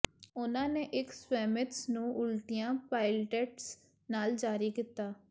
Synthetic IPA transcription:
ʊnãːneːʔɪkswɛːmɪtsnũːʔʊlt̪ijãːpaːɪlʈeːʈs | naːld͡ʒaːɾiːkit̪aː

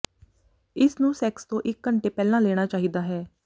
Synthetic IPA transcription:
ɪsnũːsɛːkst̪õːʔɪkːəɳʈeːpɛːlãːlɛːɽ̃aːt͡ʃaːɦiːd̪aːɦɛː

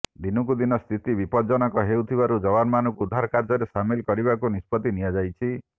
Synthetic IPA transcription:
d̪inɔkud̪inɔst̪ʰit̪ibipɔd͡ʒɔnɔkɔɦewt̪ʰibaɾud͡ʒɔβanɔmanɔ̃kuːd̪ʱːaɾkaɾd͡ʒɔɾesamilkɔɾiβakunispɔt̪inijad͡ʒajt͡ʃʰi

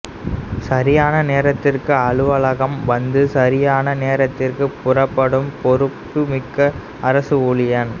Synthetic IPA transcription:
sɐɾɪjaːnɐneːɾɐt̪ːɪrkɯɐɭɯʋɐɭɐɣɐmʋɐnd̪ɯsɐɾɪjaːnɐneːɾɐt̪ːɪrkɯpʊrɐpːɐɽɯmpɔɾɯpːɯmɪkːɐ | ɐɾɐsɯuɭɪjɐn

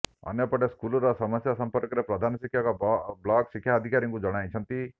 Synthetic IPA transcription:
ə̰njɔpɔʈeskulɔɾɔsəməsjasəmpəɾkɔɾepɾɔd̪ʱanɔsikʰːjakablɔksikʰːjaːd̪ʱikaɾjĩŋkud͡ʒɔɽ̃ajt͡ʃʰənt̪i

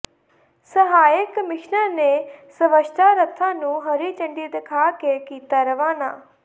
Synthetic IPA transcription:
səɦaːjəkmɪʃnəɾneːsəʋəʃt̪ʰaːɾət̪ʰːãːnũːɦəɾiːt͡ʃəɳɖiːd̪ɪkʰaːkekiːt̪aːɾəʋaːna̰ː

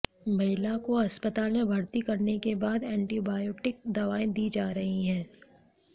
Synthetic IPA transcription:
mɐɦɪlakoɐspət̪aːlmẽbʱɐɾt̪ikɐɾnekebaːd̪ɛ̃ːɳʈibaːjoːʈɪk̚d̪ɐʋaːẽd̪iːd͡ʒaːɾɐɦiɦɛ̃ː

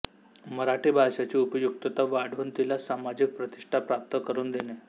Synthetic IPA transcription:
məɾaʈiːbʱaʂat͡ɕiːupəjuk̚t̪ət̪aʋaɽ̤uːnt̪ilasamad͡ʑik̚pɾət̪i̥ʂʈʰapɾap̚t̪əkəɾuːnd̪ene

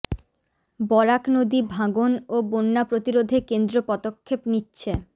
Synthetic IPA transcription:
bɔɾaknod̪ibʱaɡonobonːapɾot̪iɾod̪ʱekend̪ɾopɔd̪okʰːepnitːɕʰe

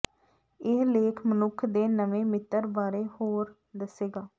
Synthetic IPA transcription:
ɪleːkʰmənʊkʰd̪eːnəʋẽːmɪt̪ːəɾbaːɾeːhoːɾ | d̪əseːɡaː

